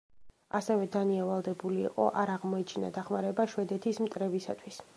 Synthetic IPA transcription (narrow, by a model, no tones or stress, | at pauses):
asɛvɛd̪aniavalˠd̪ɛbulḭːqʼɔ̰ʔaɾaʁmɔɛt͡ʃʰina̰d̪aχmaɾɛbaʃwɛd̪ɛt̪ʰismt̪ʼɾɛbisa̰t̪ʰwis